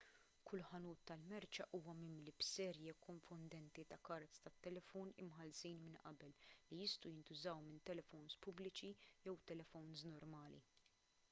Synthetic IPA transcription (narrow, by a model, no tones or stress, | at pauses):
kʰʊlːħɐnuːt̪ːɐlmɛɾt͡ʃɐʔuːwɐmɪmlibsɛːɾjɛkːɔɱfʊnd̪ɛnt̪it̪ɐkɐɾt̪st̪ɐt̪ːɛlɛfɔːnɪmħɐlsiːnmɪnʔɐ̰bɛlːijɪst̪ɐjɪnt̪ʊzɐwmɪnt̪ɛlɛfɔwnspʊblɪt͡ʃijɛwt̪ɛlɛfɔwnznɔɾmɐːlḭ